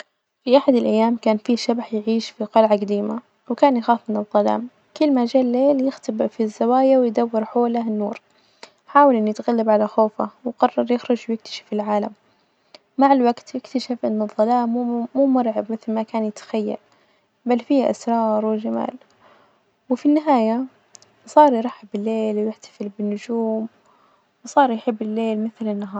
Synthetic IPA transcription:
fiʔaħad̪ɪlʔajːaːmkaːnfiʃabaħjɪʕiːʃfiqɑlʕaɡad̪iːma | wkaːnjaxɑːsˤmɪnɨðˤːɑla̰ːm | kʊlːmad͡ʒaːlːeːljɪxt̪abfizːawaːjawɪjd̪awːɪɾħoːlaɪnːuːɾ | ħaːwalʔɪnːjɪt̪ɣalːabʕalaxoːfawqɑrˤːɑɾˤjɪxɾʊd͡ʒwjɪk̚t̪ḁʃḁfɪlʕaːlamː | aʕɪlwaɡt̪jɪkt̪aʃafʔɪnːʊðˤːɑlaːmːuːmuːmʊɾˤʕabmɪθlmakaːnjɪt̪ḁxajːa̰l | balːfiːʔa̰sɾˤɑːɾˤwɪd͡ʒama̰ːl | wɪfinːɪɦaːja | sˤɑːɾˤjɾˤɑħɪbɪlːeːlwjɪħt̪ḁfɪlbɪnːʊd͡ʒuːm | wsˤɑːɾˤjħɪbːɪlːeːlmɪθlɪnːaɦɑːɾˤ

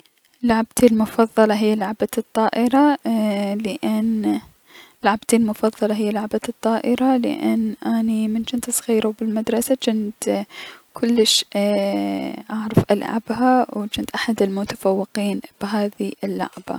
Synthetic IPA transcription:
laʕbt̪ilmʊfɑðˤːɑlɑɦɪjːalaʕbat̪ˤːɑːʔɪɾɑ | lɪʔɪn | laʕabt̪ilmʊfɑðˤːɑlɑɦɪjːalʊʕbat̪ˤːɑːʔɪɾɑlɪ̰ʔɪnːʔanimɪnt͡ʃɪnt̪ɨsˤɣiːɾuwbɪlmad̪ɾˤɑsad͡ʒɪnt̪kʰʊlːɪʃ | ʔaʕɾɑfʔa̰lʕa̰bhawt͡ʃɪnt̪ʔaħad̪ɪlmʊt̪ḁfawːɪqiːnb̥ɦaːðiʔɪlːʊ̰ʕba̰

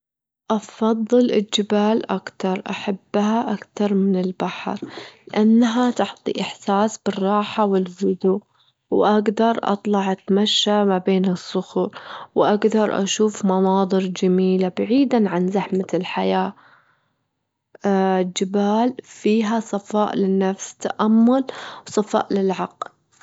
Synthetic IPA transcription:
ʔɑfɑðˤːɨlʔɪld͡ʒɪbaːlʔakt̪ɑɾˤʔaħabːhaʔakt̪ɑɾˤmɪnɪlbaħɾlɪʔanːaɦat̪ʊħt̪ˤḭʔɪħsaːsb̥ɨrˤːɑːħawɪlvʊd̪uː | wʔaɡd̪ɑɾˤʔɑ̰t̪ˤlɑʕʔat̪maʃːamabeːnɨsˤːʊxuːɾwʔaɡd̪ɑɾˤʔa̰ʃuːfmɑnɑːd̪ˤɨɾd͡ʒamiːlabaʕiːd̪anʕanzaħmalħajaː | d͡ʒɪbaːlfiːɦasˤɑfɑːʔlɪnːafst̪ːaʔamːʊlwsˤɑfɑ̰ːʔlɪlʕɑql

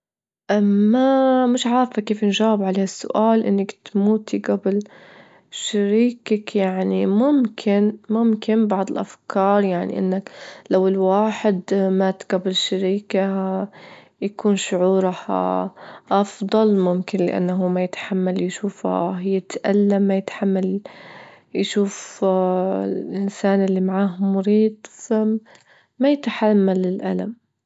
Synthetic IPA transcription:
ʔmamɪʃʕaːɾfakeːfnʒaːwɪbʕaleːhasːʊ̰ʔaːlʔɪnːakt̪muːt̪ʰiɡabɪl | ʃaɾiːkakjaʕnimʊmkʰɪnmʊmkɪnbɑʕd̪ˤɪlʔafkʰɑːɾˤjaʕnḭʔɪ̰nːaklawɪlwaːħɪd̪maːt̪ɡabɪlʃaɾiːka | jakuːnʃʊʕuːɾɑh | ʔɑfd̪ˤɑlmʊmkɪnlɪʔa̰nːaɦuːmajɪt̪ħamːaljʃuːfa̰jɪt̪ʔalːamːajɪt̪ħamːal | jʃuːf | lʔɪnsaːnʔɪlːimaʕaːɦmʊɾiːd̪̚ˤfa | majɪt̪ħamːalːɪlʔalam

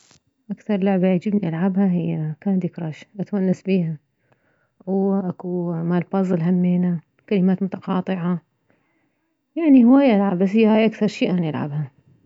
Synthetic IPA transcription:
ʔakθɑɾˤlʊʕbad͡ʒɪbniʔalʕabhaɦɪjːakaːnd̪ikɾˤɑːʃʔat̪manːasbiːha | wʔakumaːlfɑzˤlɦamːeːna | kalɪmaːt̪mʊt̪aqɑːt̪ˤɨʕa | jaʕnihɪwaːjaʔalʕabas̬hɪjːhaːjʔakθɑɾˤʃiːʔaːnjɪlʕa̰bha

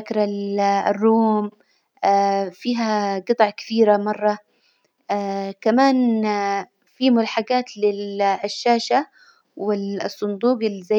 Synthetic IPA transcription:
kɾˤalrːuːmː | fiːɦaɡɨt̪ˤʕkḁθiːɾamɑrˤːɑ | kamaːn | fiːmʊlaħaɡaːt̪lɪlʃːaːʃa | wɪsˤːʊnd̪uːqɪlːza

